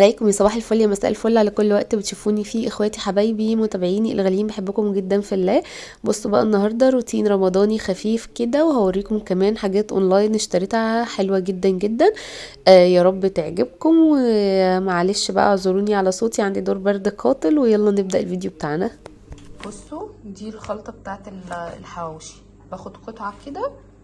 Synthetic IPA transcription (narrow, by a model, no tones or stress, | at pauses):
ʕalæjkomjesˤɑbɑːħelfoljæmæsæ̰ːʔḛlfolːʕalækolːwæʔt̪bet̪ʃufuːnifiʔexwæːt̪iħabæjbimot̪æbeʕiːniʔḛlɣæljiːmbeħebːokomɡed̪ːænfielːæː | bosˤːobæʔænːɑɦɑɾˤd̪ˤɑɾˤut̪iːnɾˤɑmɑd̪ˤɑːnixæfiːfked̪æweɦæweɾiːkomkæmæːnħaɡæːt̪ʔo̰nlɑːjneʃt̪æɾit̪haħelwæɡed̪ːænɡed̪ːæn | ʔːjæɾˤɑbːet̪eʕɡeb̚komwemæʕaleːʃbæ̰ʔæ̰ʕozˤoɾuːniʕalæsoːt̪iʕand̪id̪oːɾˤbɑɾˤd̪qʰɑːt̪ˤelwejɑlˤːɑneb̚d̪æʔelviːd̪jobet̪aːʕnæ | b̥osˤːod̪iːlxɑlt̪ˤɑbet̪aːʕet̪elelħawæwʃi̥ | b̥æxod̪qot̪ʕakːed̪æ